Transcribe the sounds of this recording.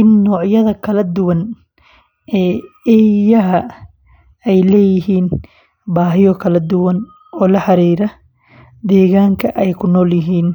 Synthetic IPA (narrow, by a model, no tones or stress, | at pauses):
ʔɪnːɔːʕjɐðɐkʰɐlɐd̪ʊwɐn | ʔɛːɛːjɐɦɐ | ɛjlɛːjɪɦiːn | baːɦɪjɔkʰɐlɐd̪ʊwɐn | ɔːlɐħɑɾiːɾɐ | d̪ɛːɣaːŋkʰɐʔɛjkʰʊnɔːljɪɦiːn